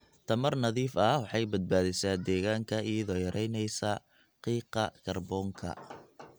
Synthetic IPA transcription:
t̪ʰɐmɐrnɐðiːfɐwɑħɑjbɐd̪̚baːðɪsaːd̪ɛːɣaːŋkʰɐijɐðɔːjɐɾʔɛjnɛjsɐ | qiːqɐkʰɐrbɔːŋkʰɐ̰

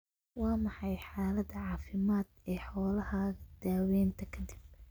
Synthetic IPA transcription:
wɑːmɑħɑjħaːlɐd̪ɐʕɑːfɪmaːd̪ɛːħɔːlɐhaːɣɐd̪̥aːwɛːnt̪ʰɐkʰɐd̪ɪb̚

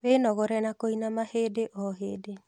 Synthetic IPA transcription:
βenɔɣɔɾɛnakoinamahedeʔɔɦeːde

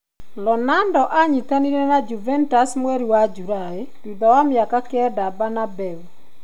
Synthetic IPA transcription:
lɔnandɔʔaɲit̪aniɾenad͡ʒuvɛntasmweɾiwad͡ʒuɾae | dud̪ɔwamjakakɛdabanabɛw

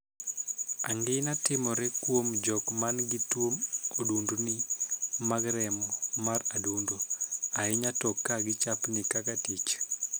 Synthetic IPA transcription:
aŋɡɪnatɪmɔɾɛkwomd͡ʒɔkmanɡɪtwomodundunɪmaɡɾɛmɔmaradundoaɪɲatɔkːaɡɪt͡ʃapnɪkakatit͡ʃ

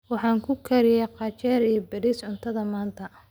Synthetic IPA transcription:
wɑħɑːŋkʰʊkʰɐɾɪjɛqɑt͡ʃɛːɾijɔbɐɽisʕʊnt̪ʰɐðɐmaːnt̪ʰɐ

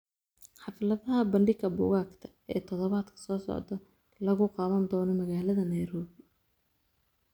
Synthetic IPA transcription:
ħɑflɐðɐɦɐbɐɳɖɪɡɐbʊ̰ɣaːkt̪ʰɐ̥ | ɛːt̪ʰɔðɔβaːd̪kʰɐ̥sɔːsɔ̰ʕd̪ɐ | lɐɣʊqɑːmɐnd̪ɔːnɔmɐɣaːlɐðɐnɛjɾɔːβɪ

